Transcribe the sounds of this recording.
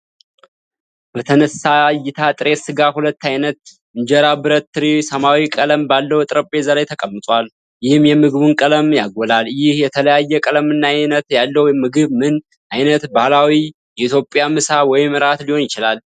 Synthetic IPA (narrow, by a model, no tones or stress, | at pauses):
b̥ət̪ʰənəsajɪt̪ʰat̪ʼɨɾe̞sɨɡahulət̪ːajnət̪̚ | ɨɲd͡ʒɛɾabɨɾət̪ːɨɾisəmawikʼələmbalːəwt̪ʼɾəpʼːezəlajt̪ʰəkʼəmːɨt̪ʼwal | jɪhɨmjɛmɨɡɨβunkʼələmjaɡʷɔlaljɪhjɛt̪ʰələjajːɛkʼələmɨnːanət̪jalːəwjmɨɡɨβmɨn | ʔajnət̪balawi | jɛit̪ʰjo̞pʼjamɨsawɔjɪmɨɾat̪liho̞njɪt͡ʃɪlal